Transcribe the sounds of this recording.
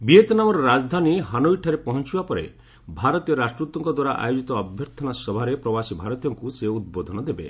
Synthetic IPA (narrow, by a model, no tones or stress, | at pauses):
biet̪ɔnamɔɾɔɾad͡ʒd̪ʱaniɦanoiʈʰaɾepɔɦɔnt͡ʃibapɔɾḛ | bʱaɾɔt̪ijɔɾasʈɾut̪ɔŋkɔd̪waɾaʔa̰jod͡ʒit̪ɔːbʱjɔɾt̪ʰɔnasɔbʱaɾepɾɔbasibʱaɾɔt̪ijɔŋkuseud̪̚bod̪ʱɔnɔd̪ebḛ